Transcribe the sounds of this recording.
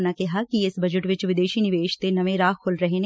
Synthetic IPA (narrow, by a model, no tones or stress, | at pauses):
nakɛɦakiɪsbɐd͡ʒəʈʋɪt͡ʃʋɪd̪eːʃinɪʋeːʃt̪enɐʋẽɾaːkkʰːʊlɾəɦene